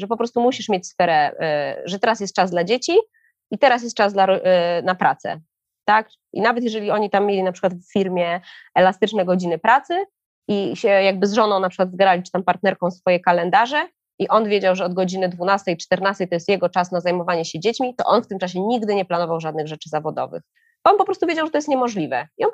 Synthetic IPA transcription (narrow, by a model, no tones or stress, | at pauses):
ʐɛpɔpɾɔst̪umuɕiʂmʲjet͡ɕʲsfɛɾɛʐɛt̪ɛɾas̬jɛst̪̚t͡ʂazd̪lad͡ʑet͡ɕi | it̪ɛɾas̬jɛst̪̚t͡ʂasd̪laɾɔnapɾʔat̪sɛ̰ | t̪ak | ʔḭnavɛt̪jɛʐɛlʲiɔɲit̪amʲːjelʲinapʂɘ̥kwat̪ffʲiɾmʲjɛɛlast̪ɘt͡ʂnɛɡɔd͡ʑinɘpɾat̪sɘ | iɕɛjaɡ̚bɘzʐɔnɔ̃w̃napʂɘkwad̪zɡɾalʲit͡ʂɘ̥t̪ampaɾt̪̚nɛɾkɔ̃w̃sfɔjɛkalɛnd̪aʐɛ | iʔɔnvʲjed͡ʑawʐɛɔd̪̚ɡɔd͡ʑinɘd̪vunast̪ɛjt͡ʂt̪ɛɾnast̪ɛjt̪ɔjɛst̪jɛɡɔt͡ʂasnazajmɔvaɲɛɕɛd͡ʑet͡ɕmʲit̪ɔ̰ʔɔnft̪ɘmt͡ʂaɕ̬ɛɲiɡd̪ɘɲɛplanɔvawʐad̪̚nɘɣʐɛt͡ʂɘzavɔd̪ɔ̰vɘ̰x | bɔɔnpɔpɾɔst̪uvʲed͡ʑawʐɛt̪ɔjɛst̪ɲɛmɔʐlʲivɛiɔn